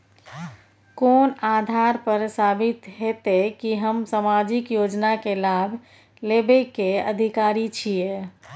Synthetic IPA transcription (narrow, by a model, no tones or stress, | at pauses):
konad̪ʱaɾpəɾsabit̪ɦet̪ekiɦəmsamad͡ʒikjod͡ʒnakelabʱ | lebekeə̰d̪ʱikaɾit͡ʃʰije